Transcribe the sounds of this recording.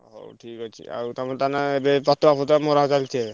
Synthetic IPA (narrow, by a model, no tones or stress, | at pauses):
ɦo̰ʈʰikat͡ʃʰḭa̰wt̪amɔnt̪anaebepat̪ːɔapʰɔt̪amɔɾaɦt͡ʃalt͡ʃʰe